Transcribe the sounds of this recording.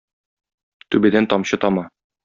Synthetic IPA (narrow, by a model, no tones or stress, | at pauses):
t̪ʉbɘd̪ænt̪ɒmɕɤt̪ɒmɑ